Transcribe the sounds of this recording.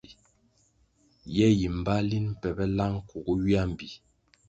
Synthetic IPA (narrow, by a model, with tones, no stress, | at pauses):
jɛ˦ji˨m˨ba˦li˦n̩˦˨pɛ˨bɛ˦la˦ŋ˦ku˨ku˦wi˦a˦m˨bi˨